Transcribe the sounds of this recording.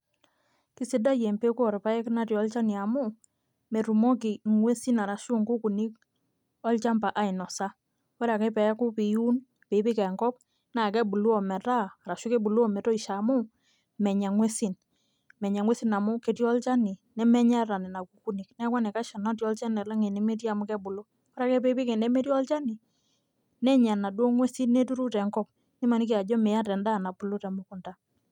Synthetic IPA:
ki˦se˦da˦je˨mpe˦kɔ˨ɾpa˦ɛ˦kna˦tjɔ˦lt͡ʃa˦ni˨a˨mʊ˦ | me˨ɾu˨mɔ˦ki˨ŋwe˦si˦na˨ɾa˨ʃu˦ŋɡu˦ku˨ni˦k̚ | ɔ˦lt͡ʃa˦mpa˨ʔa˨ɪ˨nɔ˨sa˦ | wɛ˦ɾa˨kɛ˦pɛ˨ja˦ku˦pi˨ju˦n | pe˨˦bɪ˦kɛ˨ŋkɔ˦p̚ | na˨kɛ˦bu˨lu˦ɔ˨mɛ˨taː˦˨ɾa˨ʃu˦ke˦bu˨lu˦ɔ˦mɛ˨to˦i˨ʃa˨mʊ˦ | mɛ˨ɲa˨ŋwe˦si˦n | mɛ˨ɲa˨ŋwe˦si˦na˨mʊ˦ke˨˦tjɔ˦lt͡ʃa˦ni˨nɛ˦mɛ˦ɲa˦ta˨nɪ˨na˨ku˨ku˦ni˨knɛ˦kwa˦nɛ˨ka˦ʃa˨nɔ˦t̬jɔ˦lt͡ʃɛ˦nɛ˨la˦ŋe˨ne˨˦me˦t̬ja˨mʊ˦kɛ˦bʊ˨lʊ˦ | ka˦ɾa˦kɛ˦pe˦bɪ˦kɛ˨nɛ˦me˦tjɔ˦lt͡ʃa˦ni˨ | nɛ˦ɲa˨na˨dwɔ˦ŋwe˦si˦nne˦tu˦ɾu˦tɛ˨ŋɡɔ˦p̚ | nɪ˦ma˨ni˦k̬e˨a˨d͡ʒɔ˦me˨ja˦tɛ˨nda˦˨na˨bu˨lu˦tɛ˨mʊ˦kʊ˨nda˦

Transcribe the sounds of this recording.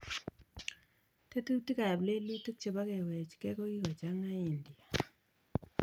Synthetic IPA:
te˦tu˦ti˦ka˨ble˦li˦tu˦k̚t͡ʃe˨ba˦ke˨wɛ˨t͡ʃkɛ˦ko˦ki˦kɔ˨t͡ʃa˦ŋa˦i˨ndi˨a˨

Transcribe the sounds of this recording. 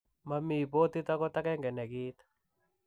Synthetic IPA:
ma˨miː˨bo˦t̪i˦t̪a˦kɔ˦t̪a˦kɛ˦ŋɡɛ˨nɛ˨ɡi˦t̪

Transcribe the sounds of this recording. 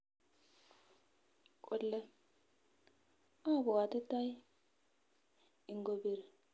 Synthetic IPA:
kʼɔ˨lːɛ˦ | aː˦bɔ˨waː˨t̪ɪ˦t̪ːɐ˦j | ɪ˨ŋɡɔbɪɾɛ

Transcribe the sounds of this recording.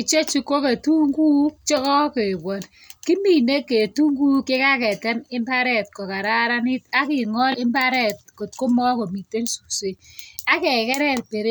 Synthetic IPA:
ki˨t͡ʃe˦t͡ʃi˦ko˦ke˨tu˦ŋɡu˦t͡ʃɔ˦kɔ˦ke˨bɔ˨l | ki˦mi˦˨ne˦kːe˨tu˦ŋɡu˦kɪ˦ka˦kɛ˨tɛ˦nɪ˦mba˦ɾɛ˦˨t̚kɔ˨ka˨ɾa˦ɾa˦nɪ˦ta˦kɪ˨ŋɔ˦lɪ˦mba˦ɾɛ˨t̚ko˨t̚ko˦mɔ˦ko˨mi˨tːe˦nsu̥˨se˨a˦kɛ˨kɛ˦ɾɛ˦˨rpe˨ɾe˦

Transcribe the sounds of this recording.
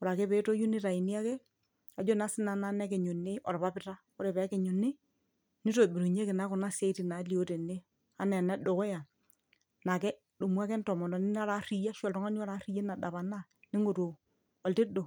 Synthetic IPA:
ɔ˨ɾa˨ke˦be˨˦to˦ju˦nɪ˦ɾa˨i˨ni˦a˦ke˦ | a˨d͡ʒo˦na˨˦sɪ˦na˨na˦nɛ˦kɛ˨ɲu˨nːɪ˦ʔɔ̰˨ɾβa˦pɪ˦ta˦ | ɔ˦ɾɛ˨βɛ˨˦kɛ˨ɲu˨nɪ˦ | ni˦to˨bi˨ɾu˨ɲe˦ke˨na˦ku˨na˦se˦ti˨na˨˦li˨o˦te˨ne˦ | a˦nɛ˨na˦do˨kɔ˦ja˨ | na˨kɛ˦ | do˨mu˦a˦kɛ˦ntɔ˨mɔ˨ndɔ˨ni˦na˦ɾa˦ɾi˨ja˦ʃɔ˨ltɔ˦ŋa˦ni˦ɔ˦ɾa˨˦ɾi˦je˦na˨da˨βa˨na˦ | nɪ˦ŋo˨to˨ | ɔ˨lti˦do˨

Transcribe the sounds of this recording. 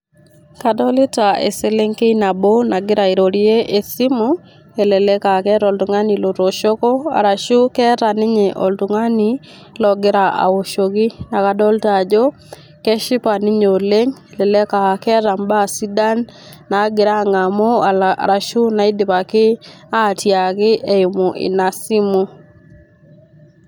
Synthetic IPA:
ka˨dɔ˦lɪ˦ta˨ḛ˨se˦le˦ŋke˦ina˨bo˦na˨ɡɪ˦ɾa˨i˨ɾo˨ɾi˦e˦ʔe˨si˦mo˦ | e˨lɛ˨lɛ˦ka˨kɛ˦ɾɔ˨ltu˨ŋa˦ni˨lo˨toʃo˦kɔ˦a̰˨ɾa˨ʃu˦kɛ˦ta˨nɪ˦ɲeʔo˨ltu˨ŋa˦ni˨ | lɔɡɪ˦ɾaa̰˨o˨ʃo˨ɣi˦na˨ka˨dɔ˦ltad͡ʒo˦ | kɛ˦ʃɪ˦pa˨nɪ˦ɲo˨le˦ŋe˨lɛ˨lɛ˦ka˨kɛ˦ta˨mba˦˨si˦da˦nː | a˨˦ɡɪ˨ɾa˦˨ŋa˨mo˦a̰˨ɾa˨ʃu˦na˨i˦dɪ˨pa˨kɪ˦a˦˨tja˨kɪ˦ʔe˦i˨mo˨ʔḭ˨na˨si˦mu˦

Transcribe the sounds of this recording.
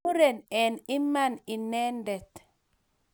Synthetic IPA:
u˦ɾɛ˨nɛ˨ni˦mani˨nɛ˦ndɛ˨t̪

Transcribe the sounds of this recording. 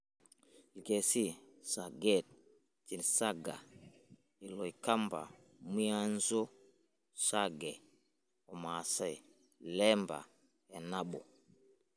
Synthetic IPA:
li˨ke˨si˦sa˨ɡɛ˦˨t̚ | t͡ʃi˨nsa˦ɡa̰˨ | i˨lɔ˨jka˦mba̰˨ | mu˦a˦nzo˦ | sa˦ɡɛ˨ | o˨ma˨sa˦˨j | lɛ˦mba̰˨ | a˨na˦ɓo˨

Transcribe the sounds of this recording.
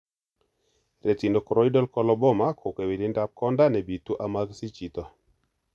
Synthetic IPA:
ɾɛ˨ti˨ndɔ˨kɔ˨ɾɔ˦i˦dɔ˦lkɔ˦lɔ˦bɔ˦ma˦kʰo˨kɛ˨wi˨li˦nda˦p̚kɔ˦nda˦nɛ˨bi˨t̪u˦ʔa˨ma˦ɡsi˦t͡ʃi˨t̪ɔ˨

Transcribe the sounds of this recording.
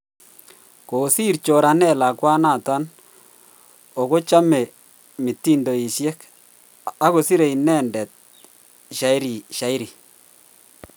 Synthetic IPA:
ko˨si˦rt͡ʃo˨ɾa˨nɛ˦˨la˨kwa˦na˨ta˦n | o˨ko˦t͡ʃa˦mɛ˨ | mɪ˨tːi˦ndo˨i˨sjɛ˦k | a˦ko˨si˦ɾe˨i˨nɛ˦ndɛ˨t̚ | ʃa˨˦i˦ɾi˨ʃa˨˦i˦ɾi˨

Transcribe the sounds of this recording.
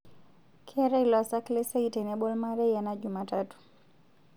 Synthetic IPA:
kʰɛ˦ɾɛ˦ilɔ˨sa˦kle˦se˦ite˨ne˦bo˦lma˦ɾɛ˦jana˦d͡ʒuma˨tato̥

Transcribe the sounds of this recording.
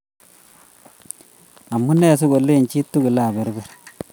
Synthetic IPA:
a˨mːu˦ne˦˨s̬u˦ɡo˨lːe˦˨nt͡ʃi˦tːu˦ɡu˨la˦˨ba˨ɾbɛ˦˨ɾ

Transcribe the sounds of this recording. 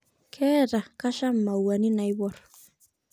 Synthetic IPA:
kʰɛ˦ɾa˨ka˦ʃa˦m˨mːa˨wa˨ni˦na˨iwɔɾ

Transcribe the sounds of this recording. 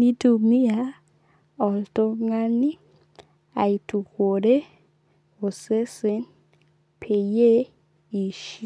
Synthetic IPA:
ni˦tu˨mi˦a˨˦ | ɔ˨lto˦ŋa˦ni˦ | a˨i˨tu˨ko˨ɾe˦ | o˨se˦se˨˦n | pʰe˨je˦ | i˨ʃi˦

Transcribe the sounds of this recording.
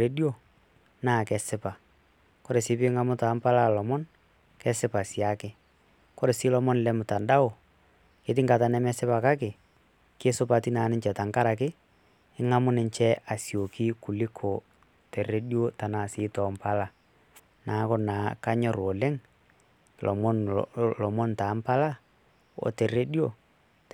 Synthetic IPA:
e˦djo˦ | naː˦˨kɛ˨sɪ˦pa˨ | ko˦ɾe˨sɪ˦pɪ˦ŋa˦mʊ˦ta˨˦mpa˦la˦˨lɔ˨mɔ˦n | kɛ˦sɪ˦pa˨sja˦kɪ˦ | ko˦ɾe˨sɪ˦lɔ˦mɔ˦nlɛ˦mʊ˨ta˨nda˦ʊ˨ | e˨˦t̬ɪ˦ŋɡa˨ta˨nɛ˦mɛ˦sɪ˦pa˨ka˦kɪ˨ | ke˦sʊ˦pa˨ti˦na˨˦nɪ˦ɲt͡ʃɛ˨ta˨ŋka˦ɾa˨k̬ɪ˦ | ɪ˦ŋa˦mʊ˦nɪ˨ɲt͡ʃɛ˦a˨sjo˨ki˦kʊ˨lɪ˦kʰo˨ | te˨re˦djo˦ta˨na˨sɪː˦tɔː˨mpa˦la˦ | naː˨˦kʊ˦naː˨˦ka˦ɲɔ˦ɾo˨lɛ˦ŋ˨ | lʔɔ̰˨mɔ˦nlɔ˨mɔ˦nta˨˦mpa˦la˦ | o̰˨te˨re˦djo˦

